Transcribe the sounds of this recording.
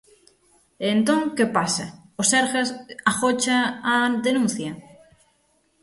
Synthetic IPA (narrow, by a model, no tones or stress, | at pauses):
ent̪õŋkepasaoseɾxesaxot͡ʃaad̪enũn̟θja